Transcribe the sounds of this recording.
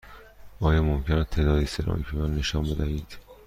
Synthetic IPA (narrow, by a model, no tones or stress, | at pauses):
ʔɒːjɒmomcʰenæt̪ʰeːd̪ɒːd̪iːseɾʔɒ̰ːcʰemæːnːe̞ʃɒːnbe̞d̪æɦiːd̪̥